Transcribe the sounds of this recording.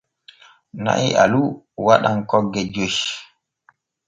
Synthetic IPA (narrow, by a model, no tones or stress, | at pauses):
na̰ʔiʔa̰lu | waɗaŋkɔɡːɛd͡ʒoʃ